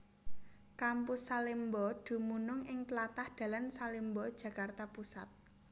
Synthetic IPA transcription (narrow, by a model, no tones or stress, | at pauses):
kampʊsːalimbɔd̪̥ṳmunʊŋʔɪŋtlat̪ahd̪̥ä̤lansalimbɔd̥ʒ̥ä̤kart̪apusa̰t̪̚